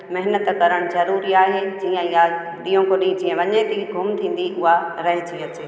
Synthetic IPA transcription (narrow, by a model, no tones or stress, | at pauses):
mɐɦɪnət̪kɐɾəɽ̃zɐɾuːɾiaːɦeːd͡ʑiːə̃ɪja | ɗiːõkoɗĩːd͡ʑĩːə̃ʋɐɲet̪iɡʱʊmt̪ʰĩːn̆d̪iʔʊɦaɾɐɦɪt̪ʰiɐt͡ɕeː